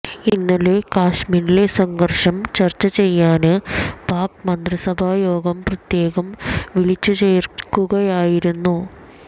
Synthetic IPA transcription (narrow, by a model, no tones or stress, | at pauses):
inːulekaːʂmiːɾile̞sɐŋɡɐrʂɐmt͡ɕɐrt͡ɕːɐt͡ɕe̞jːaːnɨpaːkmɐnd̪risɐbʱaːjoːɡɐmprɐt̪je̞ːɣɐmʋiɭit͡ɕːut͡ɕejrkːuɣɐjaːjiɾunːu